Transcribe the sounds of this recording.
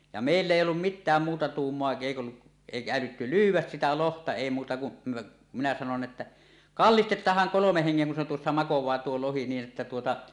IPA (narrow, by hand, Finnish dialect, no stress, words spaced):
jɑ meˑilː eˑijˑ olːum mitːæːm muːtɑ tuːmːoɑ eˑik olːuʔ eˑikæ ælytːy lyːwˑæs sitæ lohtɑ eˑi muːtɑ kun minæ sɑnon etːæ kɑlːistetˑɑːhˑɑŋ kolomeh heŋːeŋ kun se tuosːɑ mɑkowˑɑː tuo lohi niːn ʔetːæ tuotɑ